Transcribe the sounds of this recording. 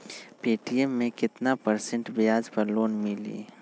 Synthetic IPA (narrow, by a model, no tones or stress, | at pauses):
peːʈijemːẽkɪt̪napɐɾsə̃ɳʈbɪjaːd͡ʒpɐɾloːnmɪlḭː